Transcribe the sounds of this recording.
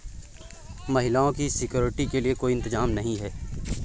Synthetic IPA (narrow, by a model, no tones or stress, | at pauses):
mɐɦɪlaːõkisɪkjoːɾɪʈikeliekoːiɪ̃nt̪ɪzaːmnɐɦĩɦɛː